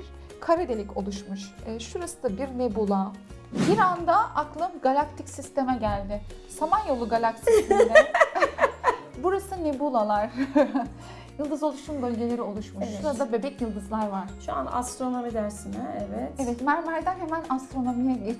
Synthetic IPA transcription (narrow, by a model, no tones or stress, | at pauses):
iɾ | kʰaɾɯd̪elʲico̞̰lˠuʃmuʃɯːʃuɾasɯd̪ˠabiɾnebulˠa | biɾand̪aʔaklˠɯmɡalʲˠakt̪ʰicsist̪e̞mɛɟælʲd̪ɪ | samanjo̞lˠuɡalʲaksimɛ | buɾasɯnebulˠalˠaɾ̥ | jɯlˠd̪ɯzo̞lˠuʃumbø̞lʲɟe̞lʲe̞ɾio̞lˠuʃmuʃuɾad̪abe̞bɛcjɯlˠd̪ɯzlˠaɾvaɾ̥ʃua̰na̰st̪ɾo̞no̞mid̪æɾsinɛɛvɛt̪evɛt̪maɾmalʲd̪ænhemænast̪ɾo̞no̞mijɛɟe